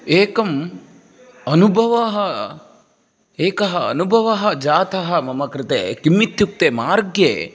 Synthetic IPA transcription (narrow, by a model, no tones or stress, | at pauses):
eːkɐm | ɐnubʱɐʋɐɦɐ | eːkɐɦɐɐ̰nubʱɐʋɐɦɐ̆d͡ʒaːt̪ɐɦɐmɐmɐkɾɪt̪ḛːkimːit̪juk̚t̪eːmaːɾɡjeː